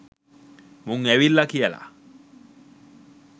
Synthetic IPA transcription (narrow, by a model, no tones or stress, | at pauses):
muŋɛwilːakijɛla̰